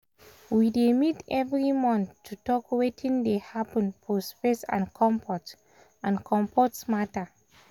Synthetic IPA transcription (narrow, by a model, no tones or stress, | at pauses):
widemitɛvɹimɔ̃nθtʰːutɔkwetʰĩndehapə̃npʰospesã̰nkʰɔ̃mpɔt | ãnkʰɔ̃mpɔtsmatə